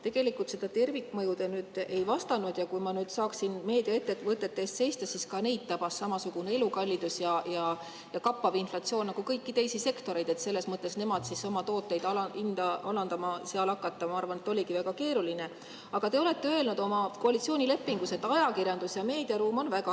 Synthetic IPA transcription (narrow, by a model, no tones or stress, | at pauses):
t̪e̞ɡ̥e̞likːˑult̪se̞d̪ɑt̪e̞rvikːˑmɤjud̪enyːd̪̥e̞jvɑst̪ɑnud̪̥jɑkujmɑnyːd̪̥sɑːksinme̞ːd̪̥iɑet̪ːet̪ːvɤt̪ːˑe̞t̪ːe̞sse̞jst̪ɑsiskɑne̞jd̪̚t̪ːɑb̥ɑsːɑmɑsuɡ̥une̞e̞lukɑlʲːid̪̥usjɑjɑ | jɑkɑpːɑvinflɑt̪sio̞ːnnːɑɡ̥ukɤjkːit̪e̞jsise̞kt̪o̞ɾe̞jd̪̥e̞t̪se̞lːe̞smɤt̪ˑːe̞sne̞mɑd̪̥sisomɑt̪o̞ːt̪ːˑe̞jd̪ɑlɑind̪ɑɑlɑnd̪ɑmɑseɑlɑkːˑɑt̪ːɑmɑɑrvɑne̞t̪ːˑo̞lʲiɡivæɡ̥ɑke̞ːɾuline̞ | ɑɡ̥ɑt̪e̞o̞le̞t̪ːeøelnud̪̥o̞mɑko̞ɑlit̪sioːnʲile̞pːˑiŋɡ̥uset̪ːˑɑjɑkirjɑnd̪̥usjɑme̞ːd̪̥iɑɾuːmo̞nvæɡ̥ɑ